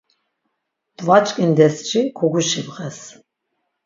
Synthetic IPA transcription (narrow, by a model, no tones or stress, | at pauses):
d̪̥vat͡ʃʼkʼind̪ɛst͡ʃʰikʰɔɡuʃivʁɛs